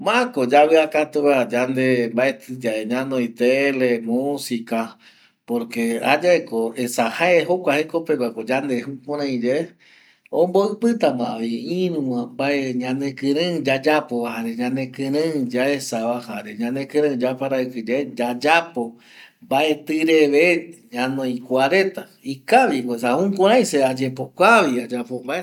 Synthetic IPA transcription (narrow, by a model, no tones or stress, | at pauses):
mãkod͡ʒaβeakat̪uwad͡ʒand̪embaet̪ɨd͡ʒaeɲãnoit̪elemusika | poɾkea̰d͡ʒaekoesahaeɦokʷahekopeɡʷakod͡ʒand̪ehupõɾ̃ãĩd͡ʒe | õmboɨpɨt̪amãβiĩɾũwãmbaeɲãnekɨ̃ɾɨ̃d͡ʒad͡ʒapoβahaɾeɲãnẽkɨ̃ɾɨ̃d͡ʒaesaβahaɾeɲãnekɨ̃ɾɨ̃d͡ʒapaɾaɨkɨd͡ʒeed͡ʒad͡ʒapo | mbaʔe̞t̪ɨɾeβeɲãnõĩkʷaɾẽt̪a | ikaβioesahũkõɾãj̃sead͡ʒepokʷaβiad͡ʒapombae